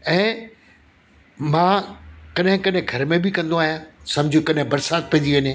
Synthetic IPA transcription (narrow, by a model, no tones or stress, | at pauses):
ɛ̃ː | mãːkɐɗɦɪ̃kɐɗɦɪ̃ɡʱɐɾmẽbɪkɐ̃nd̪oaːɦijãsɐ̃md͡ʑʱijũkɐɗɦɪ̃bɐɾsaːt̪̚pɛ̃ːn̆d̪iʋɐɲẽ